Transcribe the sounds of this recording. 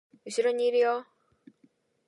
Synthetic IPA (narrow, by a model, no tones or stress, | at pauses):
uɕiɾoɲiɾijo